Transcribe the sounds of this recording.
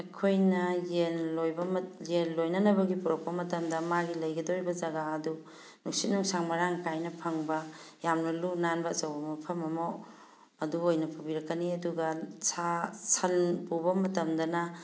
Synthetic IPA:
ɐkʰojnɐjenlojbɐmjenlojnɐnɐbɐɡipuɾok̚pɐmɐtɐmdɐmaɡilɐjɡɐdoɾibɐd͡ʒɐɡaɐdu | nuk̚sit̚nuŋsaŋmɐɾaŋkajnɐpʰɐŋbɐjamnɐlunanbɐt͡ʃɐwbɐmɐpʰɐmɐmo | ɐduojnɐpʰubiɾɐkːɐniɐduɡɐsʰasʰɐlpubɐmɐtɐmdɐnɐ

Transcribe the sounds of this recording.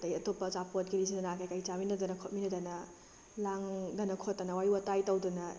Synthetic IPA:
dɐjɐtopːɐzapot̚ɡiɾisidɐnakajkajt͡ʃaminɐdɐnɐkʰot̚minɐdɐnɐ | laŋdɐnɐkʰotːɐnɐwajuwɐtajtɐwdunɐ

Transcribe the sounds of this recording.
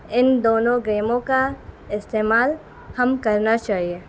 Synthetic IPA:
ɪnd̪oːnõɡɾeːmõka | ɪst̪eːmaːl | hɐmkɐɾnat͡ʃaːɦieː

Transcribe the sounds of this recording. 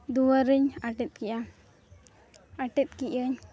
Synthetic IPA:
d̪uwaɾəɲaʈɛt̪̚kiʔa | aʈɛt̪̚kiʔəɲ

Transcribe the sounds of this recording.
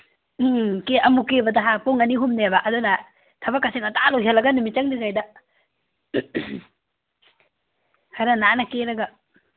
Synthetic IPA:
keʔɐmukebɐdaɦapoŋɐniɦumnebaʔɐdunɐ | tʰɐbakːaseŋɐtalojɦelːɐɡɐnumit͡ʃaŋdiŋajda | haɾananɐkeɾɐɡa

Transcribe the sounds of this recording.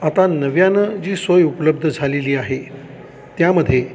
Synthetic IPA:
at̪anəʋjanəd͡ʑiːsʋəjupələb̚d̪ʱəd͡zʱaleliːaɦe | t̪jaməd̪ʱːje

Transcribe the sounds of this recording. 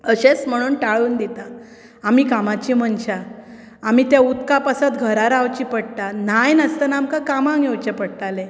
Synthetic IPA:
əɕesm̤əɽ̃uːnʈaɭuːnd̪it̪a | amiːkamat͡ɕiːm̤əɳt͡ɕa | amiːt̪aut̪kapəsət̪ɡʱəɾaɾawt͡ɕiːpəɽʈ̪an̤ajnəst̪ənamkakamãɡʱewt͡ɕepəɽʈale

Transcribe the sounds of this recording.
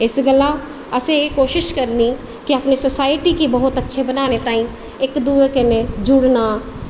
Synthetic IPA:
ɪsɡəla | əsẽjekoːʃɪʃkəɾni | kiəpnesosaːɪʈikibəɦʊt̪ətːʃʰebənaːnet̪ãːĩ | ɪkd̪uːekened͡ʒʊɽnaː

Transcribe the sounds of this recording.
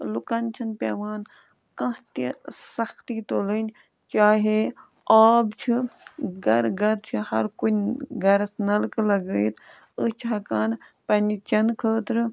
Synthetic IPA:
lukɐnt͡ʃʰɐnpʲḛːʋaːn | kɐ̃ɦt̪isɐxt̪it̪oːlənʲ | t͡ʃaːɦe | aːbt͡ʃʰiɡɐɾɡɐɾt͡ʃʰihɐ̰ɾkunʲɡɐɾɐsnɐlklɐɡəjt̪ʰ | ət͡ʃʰɦɐkaːn | pɐnʲit͡ʃɐnkʰəːt̪ɾɨ

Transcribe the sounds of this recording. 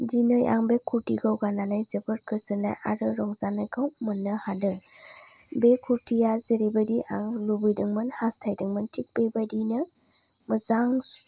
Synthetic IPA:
dinɯja̰ŋbekʰuɾtiɡawɡananajzɯbɯɾkʰɯzɯna̰jʔa̰ɾɯɾɔŋzanajɡawmɯnːɯhadɯ | bekʰuɾtʰijazeɾebadiʔaŋlubɯjdɯŋmɯnhastʰajdɯŋmɯntʰik̚bebadinɯ | mɯzaŋ

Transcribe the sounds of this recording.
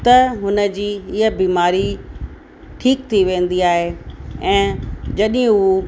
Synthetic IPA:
t̪ɐɦʊnə̆d͡ʑiːɪɦəbiːmaːɾi | ʈʰiːkt̪ʰiʋẽːn̆d̪iaːɦeɛ̃ːd͡ʑɐɗ̃

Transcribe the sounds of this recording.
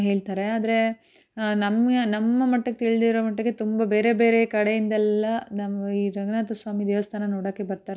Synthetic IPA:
ɦeːɭt̪aːɾe̞aːd̪ɐɾe̞ | nɐmɐnɐmːɐmɐʈːɐɡet̪iɭid̪iɾomɐʈːɐɡe̞t̪umbɐbe̞ːɾe̞beːɾekɐɽejind̪ɛlːɐnamɐiːɾɐɡɳaːt̪ɐsʋaːmid̪eːʋɐst̪ʰaːnɐnoːɽaːkːebɐɾt̪aːɾe

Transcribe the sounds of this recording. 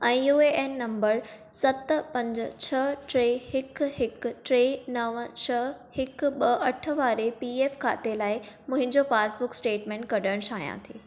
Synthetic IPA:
ɛ̃ːjuːeʔeːnːɐ̃mbəɾ | sɐt̪̆pɐ̃ɲd͡ʑə̆t͡ɕʰɐʈɾeːhɪkɦɪk̆ʈɾeːnɐʋt͡ɕʰɐhɪkɓɐʔɐʈʰə̆ʋaːɾepiːeːfkʰa̰ːt̪elaːɪmʊ̃ɦɪ̃ɲd͡ʑopaːsbʊksʈeːʈmẽːɳʈ̚kɐɗəɽ̃ʃaːɦjã̰t̪ʰeː

